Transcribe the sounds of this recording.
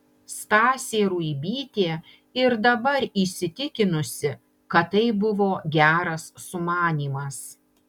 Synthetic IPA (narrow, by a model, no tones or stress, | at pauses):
st̪ɑːsʲeːɾuːibʲiːt̪ʲeː | ɪɾd̪ɐbɐɾiːˑsʲɪt̪ʲɪkʲɪnʊsʲɪ | kɐt̪ːɐɪbʊʋoːɡʲæːɾɐsːʊmɑːnʲiːmɐs